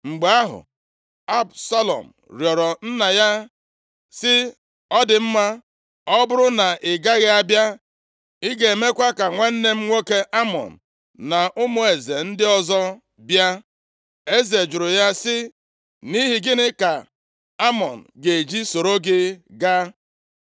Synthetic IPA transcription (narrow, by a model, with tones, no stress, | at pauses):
ŋ͡m̩˨ɡ͡be˨˦a˦ɦʊ̰˨ | a˦bsa˦lɔ̰˨m̩˨ɾjɔ˨ɾɔ˨n̩˦na˨ja˦ | sɪ˦ | ɔ˦dɪ˨m̩˦ma˦ | ɔ˦bʊ˦ɾʊ˦na˨ɪ˨ɡa˦ɣɪ˦a˦bja˦ | i˦ɡe˨e˨me˦kʷa˦ka˨ŋʷe˦n̩˦ne˦m̩˦ŋʷo˦ke˦ʔa˦mɔ̰˨n̩˨ | na˨ʔʊ˦mʊ˦e˨ze˨n̩˦dɪ˦ɔ˦zɔ˦ | bja˦ | e˦ze˨d͡ʒʊ˨ɾʊ˨ja˦sɪ˦ | ni˦ɦi˨ɡɪ˦nɪ˦ka˨ | a˦mɔ˨n̩˨ɡe˨d͡ʒi˦so˨ɾo˦ɡɪ˦ɡa˦